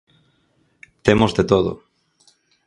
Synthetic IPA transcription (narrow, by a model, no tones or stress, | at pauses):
t̪emozðet̪oðʊ̰